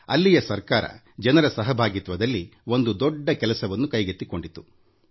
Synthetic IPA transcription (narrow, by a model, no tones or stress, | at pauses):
ɐ̰lːijɐsɐɾkaːɾɐ̰ | d͡ʒɐnɐɾɐsɐɦɐbʱaːɡit̪ʋɐd̪ɐlːio̞nd̪ud̪ɔɖːɐkɛlɐsɐʋɐnːukɐjɡet̪ːiko̞ɳɖit̪ːu